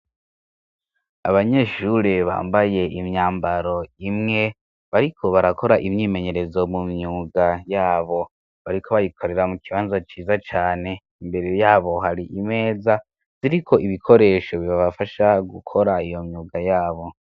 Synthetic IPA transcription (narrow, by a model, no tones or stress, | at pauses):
a̰βaɲe̞ːʃuɾeβa̰ːmbaje̞ʔimɲaːmbaɾo̞imŋe̞ | βaɾikʰoβaɾako̞ɾaʔimɲiːme̞ɲe̞ɾe̞zomumɲuːɡajaːβo̞ | βaɾikʰo̞βajikwaɾiɾamukʰiβaːnzat͡ʃiːzat͡ʃaːne̞ | imbe̞ɾe̞jaːβo̞ɦaɾiʔime̞ːza | ziɾikʰo̞ʔiβikʰo̞ɾe̞ːʃo̞βiβaβafaʃaɡukʰo̞ɾaijo̞mɲuːɡajaːβo̞